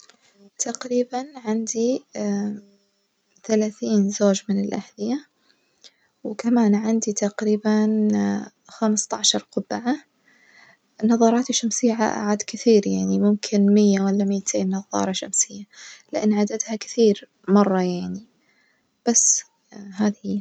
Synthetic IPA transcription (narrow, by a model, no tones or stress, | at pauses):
t̪ʰaqɾiːbanʕɪnd̪i | θalaːθiːnzoːd͡ʒmɪnɪlʔahd̪ɪja | wɪkamaːnʕɪnd̪it̪aqɾiːban | xamst̪aʕʃɑɾˤqʊbaʕa | nːɑðˤɑːɾˤɑːt̪iʃːamsɪjːaʕa̰ʔa̰ʕaːd̪kɪθiːɾjaʕnimʊmkʰɪnmɪjːawalːamɪjːat̪ʰeːnːɑðˤːɑ̰ːɾˤɑʃamsɪjːalɪʔɪnːʕad̪ad̪hakɪ̥θiːɾ | mɑrˤːɑjaʕni | b̥asː | ɦaːðhi